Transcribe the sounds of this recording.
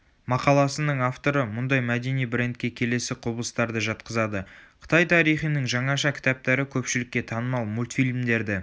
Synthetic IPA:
mɑqɑlˠɑsənəɴaft̪o̞ɾəmʊnd̪ɑjmæd̪e̞nijbɾe̞nt̪̚kʲːe̞kʲʰe̞le̞sɪqʰʊbəlˠəst̪ɑɾd̪əʒɑt̪̚qəzɑd̪əqʰə̥t̪ɑjt̪ʰɑɾijχijnəŋʒɑɴɑʃɑkʲʰɪ̥t̪æp̚t̪æɾɪkʲʰɵpʃɪlɪkʲːe̞t̪ʰɑnəmɑlˠmulʲt̪fʲilʲmd̪e̞ɾd̪ɪ

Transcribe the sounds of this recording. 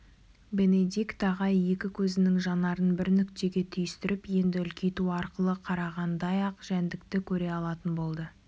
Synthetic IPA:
be̞ne̞d̪ʲikt̪ʰɑʁɑje̞kʲɪkʲʰɵzɪnɪŋʒɑnɑɾənbɪɾnʏkt̪e̞ɡʲe̞t̪ʰʏjɪst̪ɪɾɪpje̞nd̪ɪʏlkʲejt̪uɑɾqəlˠəqʰɑɾɑʁɑnd̪ɑjɑqʒ̥ænd̪ɪk̚t̪ɪkʲʰɵɾe̞ɑlˠɑt̪ənbo̞lˠd̪ə

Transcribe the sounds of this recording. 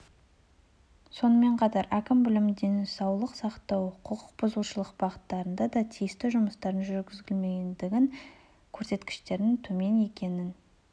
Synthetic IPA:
so̞nəme̞ɴqʰɑt̪ɑɾʔækʲɪmbɪlɪmd̪ensɑwlˠəqsɑqt̪ɑwqʰəqʊq̚bʊzəlˠʃəlˠəq̚b̥ɑʁət̪ːɑɾənd̪ɑd̪ɑt̪ʰijɪst̪ɪʒʊməst̪ɑɾənʒʏɾɡʲɪzɡʲɪlme̞ɡʲend̪ɪɡʲɪŋ | kʲʰɵɾse̞t̪kʲɪ̥ʃt̪e̞ɾd̪ɪŋt̪ʰɵme̞ne̞kʲe̞nɪn

